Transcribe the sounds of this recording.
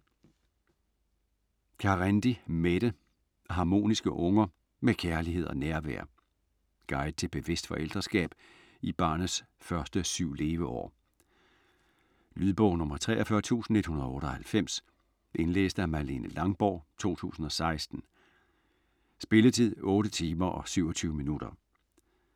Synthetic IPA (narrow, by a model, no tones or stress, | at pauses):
kʰɑ̈ʁænd̥imed̥ə | ɦɑ̈ːmo̝̰ːnisɡ̥əʔɔ̽ŋɐ | mekʰæɐlihe̝ð̞̰ˠɒ̽næɐʋæ̰ːɐ | ɡ̥ɑ̈ɪð̥ˠt͡sʰe̝lb̥e̝ʋe̝sd̥fɒ̽ʔel̰d̥ʁɐsɡ̥ɛ̰ːb̥ | ib̥ɑ̰̈ːnðs | fɶɐsd̥əsyʊ̰le̝ːʋəʔɒ̰ː | lyðˠb̥ɔʊnɔ̽mɐt͡sʰʁɛ̰ːʔɐfɶɐt͡sʰṵːsn̩e̝d̥hunɐðˠɔ̽ːɾ̥ɒhælfem̰s | ʔe̝nlḛːsd̥əæɐmæle̝̰nəlɑ̈ŋb̥ɒ̰ːt͡sʰo̝̰ːt͡sʰṵːsn̩ɒ̽sɑ̈ɪsd̥n̩ | sb̥e̝lət͡sʰið̰ˠɔ̽ːɾət͡sʰiːmɐʔɒ̽syʊ̰ɒ̽t͡sʰyːʊəminud̥ɐ